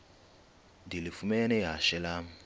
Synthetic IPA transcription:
ndilifumɛnɛɦaʃɛlam

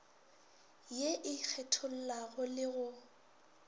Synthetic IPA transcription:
jeʔɪk͡xʰɛtʰʊl̩laɣʊlɪɣʊ

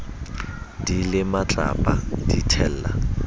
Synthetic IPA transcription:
d̥ilɪmat͡ɬʼa̰pʼad̥itʰɛl̩ːla̰

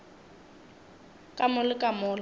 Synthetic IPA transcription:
kʼamʊlɪkʼamʊːl

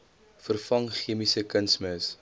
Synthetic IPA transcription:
fərfɐŋχiəmisəkənsməs

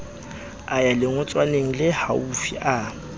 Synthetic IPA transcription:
ajalɪŋʊt͡sʼwaneŋ̩lɪhaufḭʔa

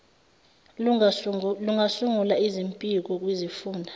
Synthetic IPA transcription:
luŋasuŋulaizimpʼik̬ɔk̬ʼwizifuːndʱa

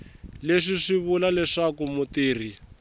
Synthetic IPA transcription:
leʂiʂiβulalɛʂakumutiːr̤i

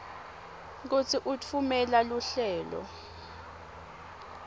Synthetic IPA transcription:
k̬ut͡sʰiʔut͡fʰumɛlaluɬɛːlɔ̰

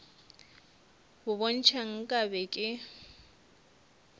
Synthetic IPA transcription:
bʊbon̩t͡ʃʰaŋ̩kʼabɛkʼɪ

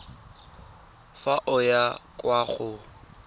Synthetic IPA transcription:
faʔʊjakʼwaχʊ

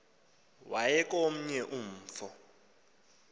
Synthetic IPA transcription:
wajɛk̬ʼom̩ɲɛʔum̩ːfɔ

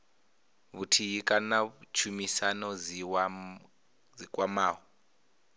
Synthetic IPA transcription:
βutʰiɦikʼanaβut͡ʃʰumisanɔd͡za | d͡zikʼwamaːɦɔ

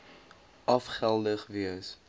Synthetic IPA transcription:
ʔɐfχælˠdəχviəs

